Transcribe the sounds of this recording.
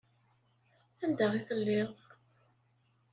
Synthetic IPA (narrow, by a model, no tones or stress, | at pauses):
ænd̪æʁiθəlːɪʁ